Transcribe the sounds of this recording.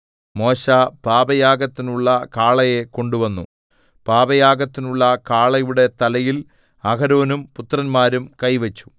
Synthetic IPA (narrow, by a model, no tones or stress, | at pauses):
mo̞ːɕapaːbɐjaːɡɐt̪ːinuɭːɐkaːɭɐjeko̞ɳɖuʋɐnːu | paːbɐjaːɡɐt̪ːinuɭːɐkaːɭɐjuɽe̞t̪ɐlɐjil | ɐkɐɾo̞ːnumput̪rɐnmaːɾumkɐjʋɐt͡ɕːu̥